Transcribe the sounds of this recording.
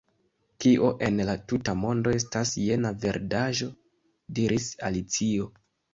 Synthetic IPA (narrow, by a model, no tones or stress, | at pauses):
kiʔo̞ʔe̞nlatutamo̞ndo̞e̞stasje̞nave̞ɾdaʒo̞ | diɾʔisa̰lit͡sio̞